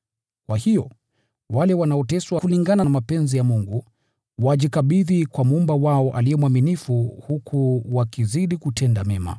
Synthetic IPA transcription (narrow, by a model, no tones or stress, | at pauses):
kwahijɔ | walɛwanaɔtɛswakuliŋɡananamapɛnzijamuŋɡu | waʄikaɓiðikwamumbawaɔʔalijɛmwaminifuhukʰuwakiziɗikutʰɛndamɛma̰